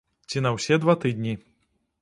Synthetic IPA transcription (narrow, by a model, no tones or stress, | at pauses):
t͡sʲinɐwsʲɛd̪vat̪ɨd̪ʲnʲi